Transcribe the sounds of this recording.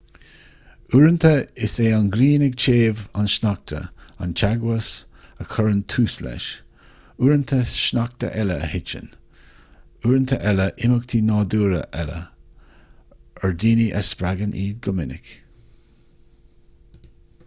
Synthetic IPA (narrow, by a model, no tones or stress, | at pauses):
uːɾənt̪ʰəɪseːanɡɾiːnɪɡ̚t͡ʃʰeːvanʃnak̚t̪ʰə̰ant͡ʃaɡwəsəkʰɔɹənt̪ʰuːslɛ̰ʃ | uːɾənt̪ʰəʃnak̚t̪ə̰ʔɛləəhɪt͡ʃə̰n | uːɾənt̪ʰəʔɛləʔɪmʊk̚t̪ʰinɑːduːɾə̰ʔɛlə̰ | əɹd̪iːniʔəspɾaɡənʔiːɡʊmɪnɪ̰k